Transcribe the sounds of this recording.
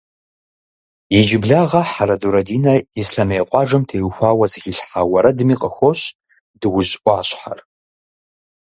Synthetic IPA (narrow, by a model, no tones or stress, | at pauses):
id͡ʒɪbɮaʁɐħaɾɐduɾɐdiːnɐisɬamejqʷʼɑʐɨmtʰejwxʷaːwɐzɨɣɪɬħawɐɾɐdɨmiqʼəxʷoɕ | dɨwʊʑʼʔʷʼaːɕħa̰r